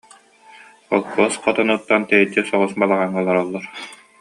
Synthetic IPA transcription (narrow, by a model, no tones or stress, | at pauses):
ɔlˠkɔsqɔt̪ɔnut̪ːant̪ɛjɛd͡ʑisɔʁusbalˠaʁaŋːalˠaɾɔlˠːɔɾ